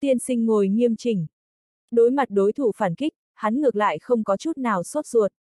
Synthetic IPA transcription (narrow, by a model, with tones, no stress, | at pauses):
t̪i˧ənsï˧ŋ̟ŋo˨˩jŋi˧əmt͡ɕï˨˩ŋ̟ | ɗo˨˦jma˨˩t̚ɗo˨˦jt̪ʰu˧˩faː˧˩nki˦˥k̟̚ | ha˨˦nŋɨ˨˩ək̚la̰ː˧˨jxə˧wŋ͡mkɔ˨˦t͡ɕu˦˥t̚naː˨˩wso˦˥t̚zu˨˩ət̚